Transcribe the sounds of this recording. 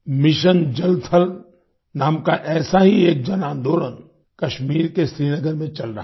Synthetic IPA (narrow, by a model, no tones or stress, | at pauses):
mɪʃənd͡ʒɐlt̪ʰəl | naːmkaʔɛːsaɦieːk̚d͡ʒɐnaːnd̪ʱoːɾən | kɐʃmiːɾkesɾiːnəɡəɾmẽt͡ʃɐlɾɐɦ